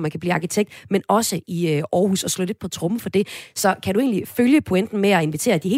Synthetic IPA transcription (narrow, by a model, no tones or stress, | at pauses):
mænkʰæb̥liːɑ̈ːkʰit͡sʰeɡ̥̚d̥menɒ̽səiʔɒːhṵsɒ̽slɔ̽le̝d̥̚pʰɒ̽t͡sʰʁɔ̽məfɒ̽d̥e̝sɒ̽kʰæd̥ue̝̰ːnliføljəpʰo̝en̰d̥n̩meæe̝nʋit͡sʰe̝̰ːɐd̥iɦe̝ː